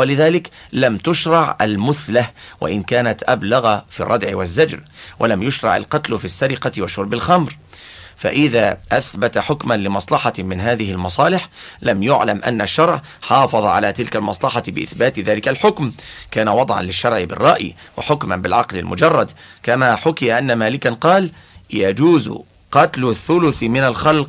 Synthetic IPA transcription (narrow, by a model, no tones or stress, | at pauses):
walɪðaːlɪk | lamt̪ʊʃɾˤɑʕʔa̰lmʊθlawʔa̰ʔɪnkaːnat̪ʔablaɣafḭːrˤːɑd̪ʕɪwazːad͡ʒɾwʔalamjʊʃɾˤɑ̰ʕa̰lqɑt̪lʊfisːaɾɪqɑwaʃʊɾˤbalxamɾ | fa̰ʔɪðaːʔaθbat̪aħʊkmanlɪmɑsˤlɑħɑmɪnɦaːðɪhɪlmɑsˤɑːlɪħlamjʊʕlamʔa̰nːaʃːɑɾˤʕ | ħɑːfɑðˤɑʕa̰laːt̪ɪlkalmɑsˤlɑħɑbɪʔɪθbaːt̪ðaːlɪkalħʊkmkaːnawɑd̪ˤʕɑ̰nlɪʃːɑɾˤʕɪbɪ̰rˤːɑ̰ʔj̰wa̰ħʊkmanbɪlʕɑqlɪ̰lmʊd͡ʒɑrˤːɑd̪kamaːħʊkɪjaʔanːamaːlɪkanqɑːl | jad͡ʒuːz̰ | qɑt̪lʊθːʊlʊθmɪnalxɑlq